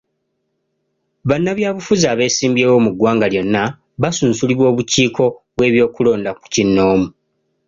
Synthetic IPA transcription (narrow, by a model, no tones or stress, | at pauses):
βanːaβjaːβufuzaːβe̞ːsiːmbjeːwo̞ːmuɡːwaːŋɡaljo̞nːa | βasuːnsuliβwo̞ːβuciːko̞βwe̞ːβjo̞ːkulo̞ːndaku̥cinːo̞ːmu